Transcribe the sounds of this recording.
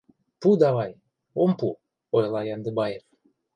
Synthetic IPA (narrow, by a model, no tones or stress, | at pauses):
pud̪ɑβɑj | ompu | ojlˠɑjɑnd̪ɘbɑjef